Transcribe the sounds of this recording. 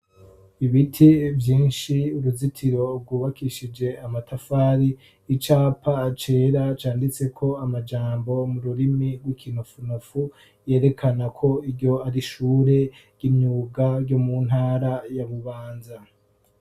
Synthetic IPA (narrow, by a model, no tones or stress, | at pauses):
iβitʰivjiːnʃiuɾuzitʰiɾo̞ɡuːβakiʃid͡ʒe̞amatʰafaːɾiː | t͡ʃaːpʰat͡ʃe̞ːɾat͡ʃaːndit͡se̞kʰo̞amad͡ʒaːmbo̞muɾuɾimiɡwikinufunufu | je̞ːɾe̞kʰanakʰo̞iɾɟo̞aɾiʃuːɾe̞ɡ̥imɲuːɡaɾɟo̞mun̥haːɾajaβuβaːnza